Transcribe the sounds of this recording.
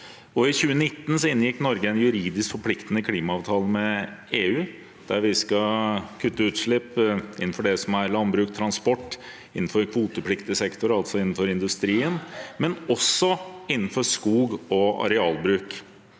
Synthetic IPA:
ɔɪçʉːənɪt̪ːn̩sɔɪnjɪkːnɔɾɡəænjʉɾiːd̪ɪskfɔɾpʰlɪkt̪ənəkʰliːmɑɑːʋt̪ʰɑːləmɛeːʉː | d̪̥æɾʋɪskɑkʰʉt̪ːəʉːt̪ʂɭɪpɪ̰nːn̩fɔɖɛsɔmæɾlɑnbɾʉːk̚t̪ʰɾɑnspɔʈː | ɪnːn̩fɔɾkʰʋuːt̪əpʰlɪkt̪ɪəsɛkt̪ʊɾɑlt̪sɔɪnːn̩fɔɾɪnd̪ʉst̪ɾiːənmɛnɔsːɔɪnːən̩fɔɾskuːɡɔɑ̰ɾɛɑːlbɾʉːk

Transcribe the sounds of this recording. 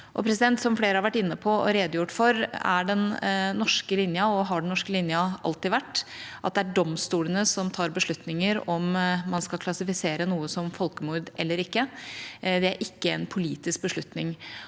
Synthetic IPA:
ʔɔpʰɾɛsɪd̪ɛnt̪sɔmfleːɾəhɑɾʋæʈːɪnːəpʰɔɔ̰ɾeːd̪əjʊʈːfɔɾæɖɛnːɔʂkəlɪnjəɔɦɑɖɛnnɔʂkəlɪnjəɑ̰lt̪ɪʋæʈːʔɑt̪̚d̪ɛæɖɔmst̪uːlənəsɔmt̪ʰɑːɾbəʂlʉt̪nɪŋəɾɔmmɑnskɑlkʰlɑsɪfɪseːɾənuːəsɔmfɔlkəmuːɾd̪ʔɛlːəɾɪkːə | d̪ɛæɾʔɪkːəɛnpʰʊliːt̪ɪsk̚bəʂɭʉt̪nɪŋ

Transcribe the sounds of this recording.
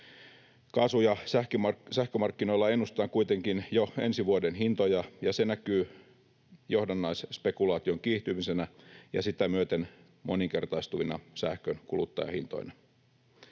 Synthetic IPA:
kɑːsujɑsæhkmɑsæhkømɑrkːinoilːɑe̞nːust̪ɑːŋkuit̪eŋkinjoe̞nsiʋuodenɦint̪ojɑjɑsenækyː | johdɑnːɑisspe̞kulɑːt̪ioŋkiːht̪ymisenæjɑ̰sit̪æmyøt̪en | mʔoniŋke̞rt̪ɑist̪uʋinɑ̰sæhkønkulut̪ːɑ̰jɑ̰hint̪o̰inɑ

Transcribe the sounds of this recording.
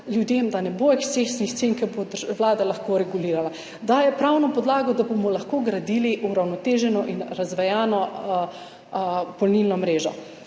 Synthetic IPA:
ljud̪jeːmd̪anɛboekst̪esnixt̪seŋkɛɾbod̪wlaːd̪alaxkoɾɛɡuliːɾala | d̪aːjɛpɾawnɔpɔd̪laːɡɔd̪abomɔlaxkoɡɾad̪iːliʔuɾawnɔt̪eːʒɛnɔʔinɾazʋɛjaːnɔ | pɔlnilnɔmɾeːʒɔ̰

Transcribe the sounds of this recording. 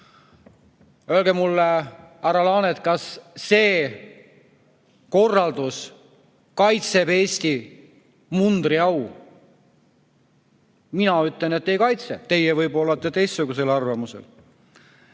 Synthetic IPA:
øelɡemulːeæɾɑlɑːnet̪̚kɑsːe̞ː | ko̞rːɑld̪̥us | kɑjt̪se̞pe̞ːst̪i | mund̪̥riɑw | minɑyt̪ːˑlenet̪ːejkɑjt̪set̪e̞jevɤjbo̞lːɑt̪ːˑe̞t̪e̞jst̪suɡuse̞lɑrvɑmusḛl

